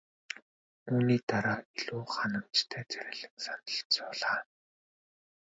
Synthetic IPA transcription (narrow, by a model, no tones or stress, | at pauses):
uːniːt̪aɾaːiɮuːχanə̆mt͡ɕt̪ʰæːt͡sæɾʲɪ̆ɮə̆ŋsanə̆ɮt͡sʊːɮaː